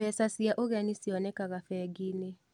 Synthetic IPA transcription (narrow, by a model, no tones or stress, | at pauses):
ɛsasiaʔoɣɛnisiɔnɛkaɣafɛɡine